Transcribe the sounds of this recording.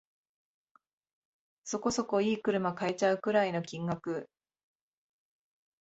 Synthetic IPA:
so̞ko̞so̞ko̞iːkɯ̟ɾɯ̟makaet͡ɕaɯ̟kɯ̟ɾaino̞kʲĩŋɡakɯ̟

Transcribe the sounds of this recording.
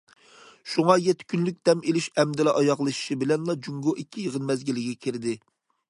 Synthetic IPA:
ʃuŋɑjɛt̪ʰːɪ̥kʲynlyk̚ʲd̪̥ɛmelyʃɛmd̪ɪlɛʔɑjɑʁlˠɨʃi̥ʃibɪlɛnlˠɑd͡ʒuŋɡoʔikʲʰːijəʁənmɛzɡʲɪlɪɡʲɛkʲʰɪɾɪd̪ɪ

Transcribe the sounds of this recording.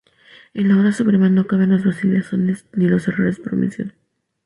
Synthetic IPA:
e̞nlao̞ɾasupɾe̞mano̞kaβenlazβasilasonesnilo̞se̞ro̞ɾe̞spoɾomʔḭsjo̰n

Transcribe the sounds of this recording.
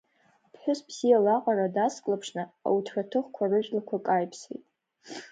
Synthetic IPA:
apʰħᶣʊsbz̥ijalaqʷʼaɾadaskʼlapʰʂnɨa̰wutʰħʷᶣatʰɨχkʷʰarɨʒlakʷʰakʼajpʰsḛjtʼ

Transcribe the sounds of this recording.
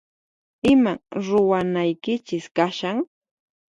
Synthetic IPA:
ɪmaɾʊwanajkɪt͡ʃɪskaʃaŋ

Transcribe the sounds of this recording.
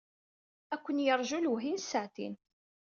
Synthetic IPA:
ækʷːənjəɾˤʒulɦinsːaʕt̪ḭn

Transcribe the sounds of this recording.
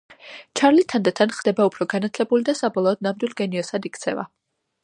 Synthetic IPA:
t͡ʃʰaɾlit̪ʰand̪at̪ʰanχd̪ɛbaupʰɾɔɡanat̪ʰlɛbulid̪asabɔlˠɔːd̪̚namd̪wilˠɡɛniɔsad̪ikt̪sʰɛva̰

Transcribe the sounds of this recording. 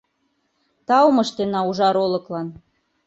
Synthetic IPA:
t̪ɑwmɤ̆ʃt̪enɑuʒɑɾolɤ̆klɑn

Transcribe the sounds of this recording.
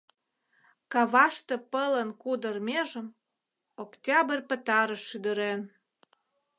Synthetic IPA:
kɑβɑʃt̪epələnkud̪ərmʲeʒəm | oktʲɑbərʲpə̆t̪ɑɾəʃːyd̪əɾen

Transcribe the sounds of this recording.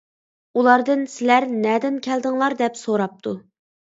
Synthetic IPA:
ulˠɑɾd̪ɨnsɪlæɾnɛd̪ɪnkʲʰɛld̪ɪŋlˠɑɾd̪ɛpsoɾɑp̚t̪ʰu

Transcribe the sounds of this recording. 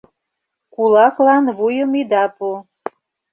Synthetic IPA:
kulɑklɑnβujəmid̪ɑpu

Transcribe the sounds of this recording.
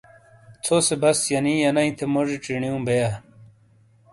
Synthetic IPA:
t͡sʰosebɐsjɐnĩːjɐnɐĩt̪ʰemoʐiʈ͡ʂiɳijũːbeja

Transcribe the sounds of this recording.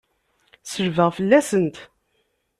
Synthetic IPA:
səɾvəʁfəlːæsənt̪

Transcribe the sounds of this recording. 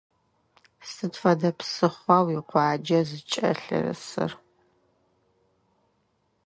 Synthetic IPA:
sɨtfɐdɐpsɨχʷɑwiqʷɑːd͡ʒɐzɨt͡ʃʼɐ̰ɬɨ̰rɨ̰sɨ̰r

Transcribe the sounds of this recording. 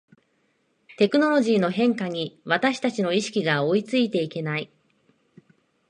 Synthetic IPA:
t̪e̞kɯ̟no̞ɾo̞ʑiːno̞ɦẽ̞ŋkaɲ̟iβat̪aɕi̥t̪at͡ɕino̞iɕi̥kʲiɡao̞it͡sɨit̪e̞ike̞nai

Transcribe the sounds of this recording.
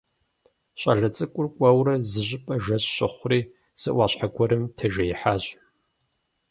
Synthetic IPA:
ɕʼɐ̰ɮɐt͡sʼɨkʷʼʊrkʷʼɐwɾɐzɨʑʼɪpʼɐʒɐɕɕɪχʷriː | sɨʔʷɑːɕħaɡʷɔɾɨmtʰɐʒɐjɪħaːɕʼ

